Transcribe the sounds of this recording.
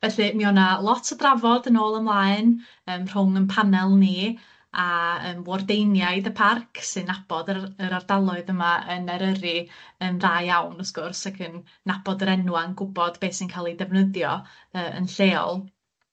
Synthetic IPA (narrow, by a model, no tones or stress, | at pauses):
vɛɬɨmiɔnalˠɔtʰədravɔdənoːlˠəmlˠaːɨn | əːmr̥ʊŋənpʰanɛlˠni | aəːmvwɔrdejnjaɨðəpʰarkʰsɨnːab̥ɔdəəɾardalˠʊɨðəmaənɛɾəɾiənðaːjawnɔsɡ̥ʊrsakʰənː | abɔdəɾɛnwanɡʊbɔdbeːsinkʰalˠidɛvnəðjɔ | əːə̰nɬeːɔ̰lˠ